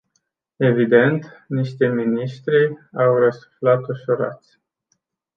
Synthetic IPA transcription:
e̞vid̪e̞nt̪niʃt̪eminiʃt̪ɾiawrəsu̥flat̪uʃuɾa̰t̪sʲ

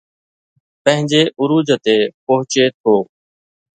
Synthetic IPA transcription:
pə̃ɦɪ̃ɲd͡ʒeːʔʊɾuːd͡ʒt̪eːpoɦʊt͡ʃeːt̪ʰoː

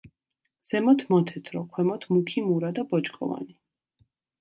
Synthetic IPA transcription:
z̥ɛmɔt̪ʰmɔt̪ʰɛt̪ʰɾɔkʰwɛmɔt̪ʰmukʰimuɾad̪abɔt͡ʃkʼɔ̰va̰ni

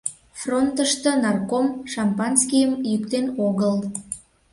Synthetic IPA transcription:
front̪əʃt̪ə̆nɑrkomʃɑmpɑnskʲijəmjykt̪enoɣəl

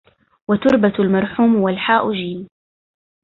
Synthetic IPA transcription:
wat̪ʊɾbalmɑɾˤħuːmwalħaːʔʊd͡ʒiːn

